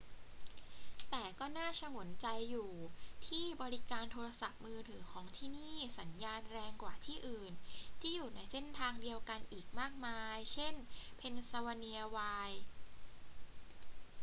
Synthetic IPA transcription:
t̪ɛː˨˩kɔː˥˩naː˥˩t͡ɕʰa˧mu˨˩˦nt͡ɕa˧jːuː˨˩t̪ʰiː˥˩bɔː˧ɾi˦˥kaː˧nt̪ʰoː˧ɾa˧sa˨˩p̚mɯː˧t̪ʰɯː˩˦kʰɔː˩˦ŋt̪ʰiː˥˩niː˥˩sa˩˦njaː˧nɾɛː˧ŋkwaː˨˩t̪ʰiː˥˩ʔɯː˨˩nt̪ʰiː˥˩juː˨˩na˧jse˥˩nt̪ʰaː˧ŋdi˧əwka˧nʔiː˨˩k̚maː˥˩k̚maː˧jt͡ɕʰe˥˩npʰe˧nsa˧wa˧ni˧ɐ˧waː˧j

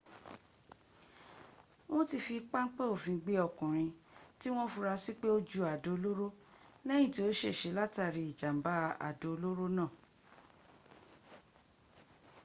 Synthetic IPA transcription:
w̃ɔ̃˦ti˧˨fi˧k͡pa˦ŋ̩˦k͡pɛ˦o˦˨fĩ˧ɡ͡be˧˦ɔ˨kũ˨ɾ̃ĩ˧ti˦w̃ɔ̃˦fu˧ɾa˧si˦k͡pe˦o˦d͡ʒu˦˨a˨do˨˧o˧lo˦ɾo˦ | lɛ˦j̃ĩ˦˨ti˨˦o˦ʃe˦˨ʃe˨˦la˦ta˧˨ɾi˧i˨d͡ʒa˨m̩˨ba˦a̰˨do˨˧o˧lo˦ɾo˦nãː˦˨

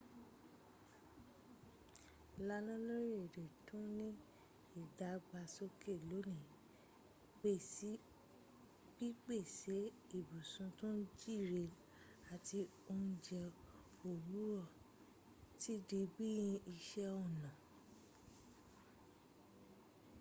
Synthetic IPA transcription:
la˧˦nã˦lo˦ɾi˦e˨de˨tũ˦nĩ˦ | i˦˨da˨˦ɡ͡ba˧so˦ke˦˨lo˨˦nĩ˨ | k͡pe˦˨˦ | b̥i˦k͡pe˦˨se˨˦ | i˦˨bu˨sũ˧tũ˦d͡ʒi˦˨ɾe˧ | a˨ti˧ | o˧n̩˦d͡ʒɛ˧ | o˨wu˨˦ɾɔ˦˨ | ti˦di˧bi˦jĩ˧i˧ʃɛ˦ɔ˦˨nã˨

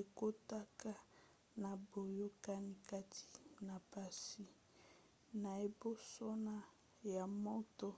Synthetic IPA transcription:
e˨ko˦ta˦ka˦ | na˨bo˨jo˦ka˦ni˦ka˦tʰi̥˨na˨pa˦si˦ | na˨e˨bo˦so˦na˦ | ja˨mɔ˦tɔ˦

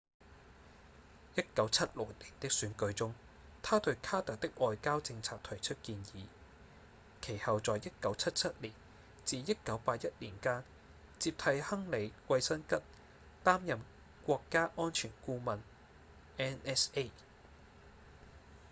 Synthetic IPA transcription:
jɐ˥t̚kɐ˨˥wt͡sʰɐ˥t̚lʊ˨˩k̚t̪ɪ˨˩ŋt̪ɪ˥k̚syː˨˥nkɵ˨˧ɥt͡sʊ˥ŋ | t̪ʰaː˥t̪ɵ˧ɥkʰaː˥t̪ɐ˨k̚t̪ɪ˥k̚ʔɔː˨˧jkaː˥wt͡sɪ˧ŋt͡sʰaː˧k̚t̪ʰɐ˨˩jt͡ʃʰɵ˥t̚kiː˧njiː˨˧ | kʰe˨˩jhɐ˨wt͡sɔː˨jjɐ˥t̚kɐ˨˥wt͡sʰɐ˥t̚t͡sʰɐ˥t̚liː˨˩n | t͡siː˨˧jɐ˥t̚kɐ˨˥wpaː˧t̚jɐ˥t̚liː˨˩nkaː˥n | t͡siː˧p̚t̪ʰɐ˧jhɐ˥ŋle˨˧jkʷɐ˧jsɐ˥nkɐ˥t̚ | t̪aː˥mjɐ˨m | kʷɔː˧kːaː˥ʔɔː˥nt͡ʃʰyː˨˩nkuː˥mɐ˨˧n | ɛː˥nɛː˥se˥˩

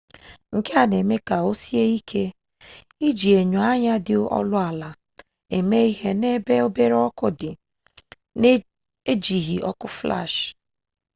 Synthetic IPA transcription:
ŋ̩˨ke˦a˨ne˨me˦ka˨o˦si˦e˦i˦kʰe˦ | i˦d͡ʒi˨e˨ɲu˨a˦ɲa˦dɪ˨˦ɔ̰˦lʊ˦a˨la˨ | e˨me˦i˦ɦe˦ne˦be˦o˦be˦ɾe˦ɔ˦kʊ˦dɪ˨ | n˦ | e˦d͡ʒi˨ɦi˨ʔɔ̰˦kʊ˦fla̰˦˨ʃ

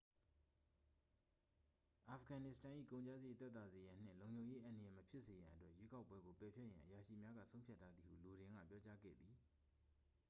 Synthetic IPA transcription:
ʔa˨fəɡã˨nɪ˦˨stʰã˨ʔḭ˦˨kõ˨ʊ̃ɲt͡ɕa˦ze˨t̪ɛ˦t̪a˨ze˨jã˨n̥ɪ̰̃˦˨lõ˨ʊ̃ɲd͡ʑõ˨ʊ̃je˦ʔã˨ndə˨jɛ˨məpʰjɪ˦ʔse˨jã˨ʔətwɛ˦ʔje˦ka˦ʊpwɛ˦ɡo˨pɛ˨pʰjɛ˦ʔjã̰˨ʔəja˨ʃḭ˦˨mja˦ɡä̰˦˨sʰõ˦pʰja˦tʰːa˦d̪ði˨hṵ˦˨lo˨ɾɪ̃˦ŋɡä̰˦˨pjɔ˦t͡ɕa˦ɡɛ̰˦˨d̪i˨

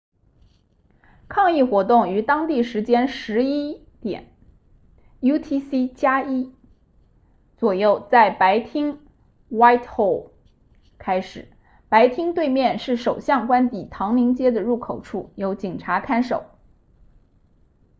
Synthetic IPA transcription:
kʰɑ˥˧ŋi˥˩xwɔ˧˥t̪ʊ˥˩ŋy˧˥t̪ɑ˥ŋt̪i˥˩ʂɻ̩˧˥t͡ɕjɛ˥nʂɻ̩˧˥i˥ | t̪jɛ̰˨˩˦n | ju˥t̪ʰi˥si˥t͡ɕja˥i˥ | t͡swɔ˨˩jo˥˧ʊt͡sa˥˩ɪpa˧˥ɪt̪ʰi˥ŋ | wa˥ɪt̪xo˥˩ʊ | kʰa˥ɪʂɻ̩˨˩˦ | pa˧˥ɪt̪ʰi˥ŋt̪we˥˧ɪmjɛ˥˧nʂɻ̩˥˩ʂo˨˩ʊɕjɑ˥˩ŋkwa˥nt̪i˨˩t̪ʰɑ˧˥ŋli˧˥ŋt͡ɕjɛ˥d̪ə˨ɻu˥˩kʰo˨˩ʊʈ͡ʂʰu˥˩jo˧˥ʊt͡ɕi˨˩ŋʈ͡ʂʰa˧˥kʰa˥nʂo˨˩˦ʊ

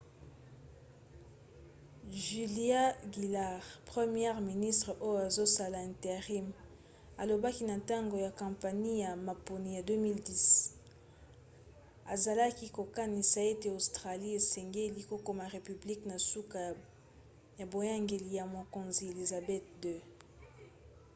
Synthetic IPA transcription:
ʒy˨li˦a˦ɡi˨la˦ʁpʁe˦mjɛ˦ʁmi˨ni˦stʁə˨ʔo˦jo˦a˨zo˦sa˦la˨ɛ̃˨nte˨ʁi˦m | a˨lo˨ba˦ki˦na˨ta˦ŋɡo˨ja˨kã˨mpa˨ni˦ja˨ma˨po˨ni˨ja˨dø˦mi˦ldi˦s | a˨za˨la˦ki˦ko˨ka˦ni˨sa˨e˦te˦o˨stʁa˨li˦e˨sɛ˨ŋɡe˦li˨ko˦ko˦ma˨ʁe˨py˨bli˦kna˨su˦ka˨ | ja˨bo˨ja˦ŋɡe˨li˨ja˨mo˨ko˨nzi˨e˨li˨za˨bɛ˦t̚dø˦

